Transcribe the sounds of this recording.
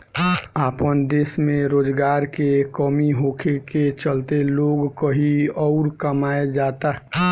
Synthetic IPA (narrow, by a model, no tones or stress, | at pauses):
aːpənd̪eːsmẽɾoːd͡ʒɡaːɾkekɔmiɦoːkʰeket͡ʃəlt̪eloːɡkəɦiɔʊɾkəmaːed͡ʒaːt̪aɦɛ